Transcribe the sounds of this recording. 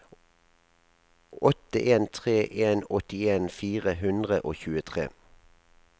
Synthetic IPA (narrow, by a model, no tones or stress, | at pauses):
ɔt̪əʔeːnt̪ʰʁeːʔeːnɔt̪ɪeːnfiːʁəɦʉnd̪ʁəʔoːçʉːət̪ʰʁḛː